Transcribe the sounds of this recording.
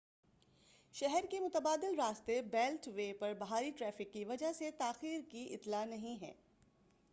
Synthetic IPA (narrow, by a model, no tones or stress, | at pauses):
ʃɛɦɛɾkemʊt̪əbaːd̪ɪlɾaːst̪ebɛːlʈʋeːpɐɾbɐɦaːɾiʈɾɛːfɪkːiʋɐd͡ʒaɦset̪aːxiːɾkiʔɪt̪lanɐɦĩɦɛ̰ː